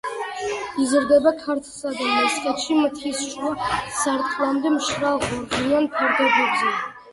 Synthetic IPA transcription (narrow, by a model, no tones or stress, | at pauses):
izɾd̪ɛbakʰaɾt̪ʰlˠsad̪amɛskʼɛt̪ʃimt̪ʰisʃuasaɾt̪ʼχʼlˠamd̪ɛmʃɾalʁuɾʁianpʰaɾd̪ɔbɔbzɛ